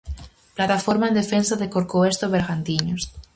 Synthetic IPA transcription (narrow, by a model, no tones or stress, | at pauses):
plat̪afoɾmaend̪efensaðekoɾkoest̪oβeɾɣant̪iɲos